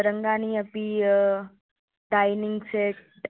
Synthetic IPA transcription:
ɾəŋɡaːniːɐpi | ʈaːjnɪŋɡseʈ

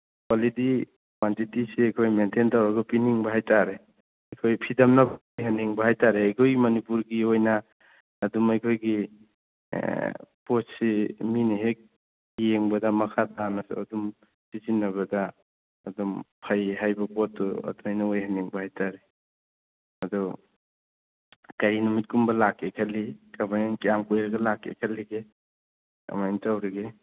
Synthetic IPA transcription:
kwalidi | kwantitiseajkʰojmentʰentawɾaɡɔpiniŋbaɦajtaɾe | ajkʰojpʰidamnab | jɦaniŋbaɦajtaɾeajkʰojmɐnipuɾɡiojnaː | dumajkʰojɡi | pɔssiminiɦek̚ | ijeŋbadamakʰatanasɔ̰dum | sizinːɐβɐdaː | dɔmpʰajɦajbɐpɔtːuɐ̰dumhajnaojɦaneŋbahajtaɾe | ɐdɔ | kaɾinumit̚kumbɐlakekʰalikabajaŋkijamkojɾaɡɐlakːḛkʰalːiɡe | ɐ̰majntawɾiɡe

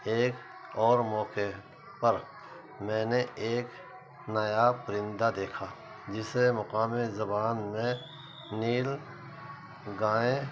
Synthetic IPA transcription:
eːk | ɔːɾmɔːke | pəɾ | mɛ̃ːneʔeːk | nɐjapɾɪ̃nd̪ad̪eːkʰaː | d͡ʒɪsemɐqaːmezɐbaːnmẽ | niːl | ɡaːẽ

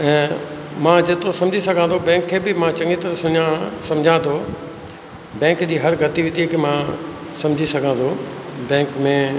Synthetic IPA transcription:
ɛ̃ː | mãːd͡ʑet̪osɐ̃md͡ʑʱisɐɡʱãnt̪ʰobɛ̃ːŋkʰːeːbɪmãt͡ɕɐ̃ŋɡit̪ɐɾəsʊɲãsɐ̃md͡ʑʱãt̪ʰo | bɛ̃ːŋkd͡ʑiːɦɐɾɡʱɐt̪iʋɪt̪ikʰeːmã | sɐ̃md͡ʑʱisɐɡʱãt̪ʰobɛ̃ːŋkmẽ

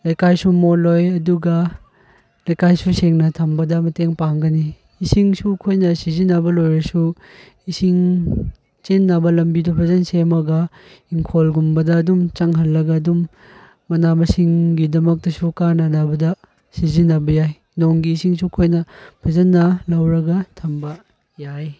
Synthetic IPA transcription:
lɐjkajsumolojɐduɡɐ | lɐjkajsuseŋnɐtʰɐmbɐdɐmɐteŋpaŋɡɐniː | siŋsukʰojnɐsizinːɐbɐlojɾɐsu | isiŋ | t͡ʃenːabɐlɐmbidɐpʰɐzɐnsemɐɡɐ | iŋkʰolɡumbɐdɐːdumt͡ʃɐŋɦɐlːɐɡɐːdumː | ɐnamɐsiŋɡidɐmɐk̚tɐsukanɐnabɐdɐ | sizinːɐbɐjaj | noŋɡiːsiŋsukʰojnɐpʰɐzɐnːɐlɐwɾɐɡɐtʰɐmbɐ | jaj

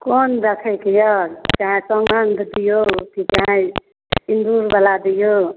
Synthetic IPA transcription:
kond̪əkʰɛkejɔɾt͡ʃaɦɛ̃səŋɡənd̪ʱd̪ijokit͡ʃaɦɛ̃ | ind̪uɾbəlad̪ijo

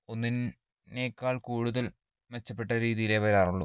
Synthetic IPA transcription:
o̞nːin | ne̞ːkːaːɭkuːɽuðɐl | met͡ɕːɐpːe̞ʈːɐɾiːðijileʋɐɾaːruɭːu

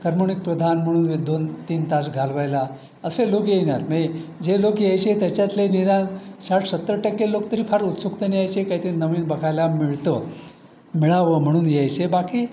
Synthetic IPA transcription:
kəɾmoɳik̚pɾəd̪ʱanm̤əɽ̃uːnʋed̪ont̪iːnt̪asɡʱalʋajla | əselokjenjat̪med͡ʑelokjejt͡ɕet̪jat͡ɕjat̪lenid̪ãnsaʈsət̪ːɾəʈaklelokt̪əɾiːfʰaɾut̪sukt̪əneajt͡ɕekaɦiːt̪əɾinəʋiːnbəkʰajlamiɭt̪ə | miɭaʋəm̤əɽ̃uːnjajt͡ɕebakiː

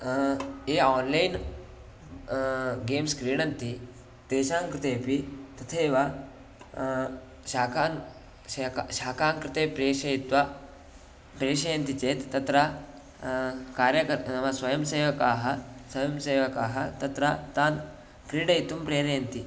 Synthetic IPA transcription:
eɔːnlain | ɡeːmskɾiːɽɐnt̪i | t̪eːʃãːŋkɾɪt̪eːpit̪ɐt̪ʰeʋa | ɕaːkan | kɕaːkaːŋkɾɪt̪epɾeːʂɐjit̪ʋa | pɾeːʂɐjɐnt̪it͡set̪ːɐt̪ɾa | kaːɾjɐkɐɐʋasʋɐjɐmseːʋɐkaːɦɐsʋɐjɐmseːʋɐkaɦɐt̪ɐt̪ɾat̪aːn | kɾiːɽɐjit̪umpɾeːɾɐjɐnt̪i

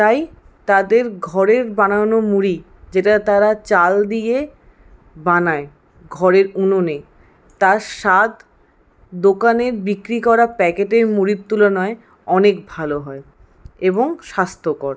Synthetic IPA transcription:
t̪aj | t̪ad̪eɾɡʱɔɾeɾbanaonomuɾi | d͡ʑeʈat̪aɾat͡ɕald̪ije | banae | ɡʱɔɾeɾunone | t̪aɾʃad̪ | d̪okaneɾbikɾikɔɾapɛkeʈeɾmuɾit̚t̪ːulonɔe | ɔnekbʱaloɦɔe | eboŋʃast̪ʰokɔɾ

